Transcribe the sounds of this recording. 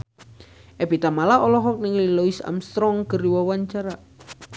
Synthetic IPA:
ʔɛb̥it̪amalaɔlɔɦɔk̚nɪŋlilɔisa̰mst̪ɾɔŋkəriwawaɲt͡ʃaɾa

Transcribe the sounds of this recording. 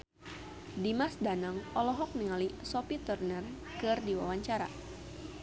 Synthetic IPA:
dimasdanaŋɔlɔɦɔk̚niŋalisɔpit̪urnɛr | kɨrdiwawaɲt͡ʃaɾa̰

